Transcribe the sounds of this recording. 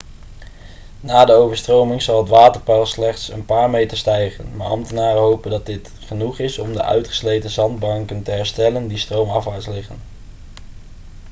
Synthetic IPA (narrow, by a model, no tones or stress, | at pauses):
naːdəowvəɹstrowmɪŋzɑlˠɦətʋaːtəɹpɛlˠslɛχtsənpaːɹmejtəɹstɛjχə̰nma̰ːɹʔɑ̰mtənaːrəɦowpəndɑt̚dɪt | χənuχɪsɔmdə̰ʔœ̰ɥtχə̥slejtəzɑnd̚bɑŋkəntəɦɛɹstɛləndistrowmɑfʋaːɹslɪχən